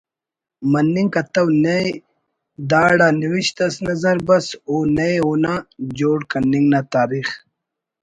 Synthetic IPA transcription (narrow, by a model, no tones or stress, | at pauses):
mɐnːiŋkɐt̪ɐwnej | d̪aːɽaːniwiɕt̪ɐsnɐzɐɾbɐsoːnejunad͡ʑoːɽkɐnːiŋɡnaːt̪aːɾiːx